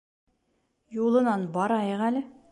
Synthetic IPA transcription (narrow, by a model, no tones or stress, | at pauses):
julˠɤ̆nɑnbɒɾɑjɤʁælɘ